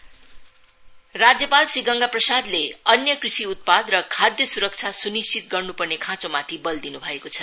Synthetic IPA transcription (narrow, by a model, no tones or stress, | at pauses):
rad͡zjʌpalsiɡʌŋɡaprʌsad̪leʌnjʌkrisiut̪̚pad̪rʌkʰad̪jʌsuɾʌk̚t͡sʰasunist͡ʃit̪̚ɡʌrnupʌrnekʰãt͡somat̪ʰibʌld̪inubʱʌekot͡sʰʌ